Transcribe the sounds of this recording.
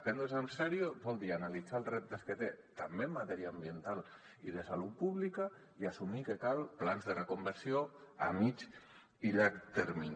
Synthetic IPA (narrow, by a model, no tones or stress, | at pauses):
pɛnd̪osamsɛɾjobɔlˠd̪ianalid͡zalˠsrɛp̚t̪esket̪et̪ambemːat̪ɛɾiaːmbient̪al | iðəsalut̪̚puβlika | iasumikekalˠplanzðerekombəɾsioa̰mit͡ʃ | iʎakt̪eɾmin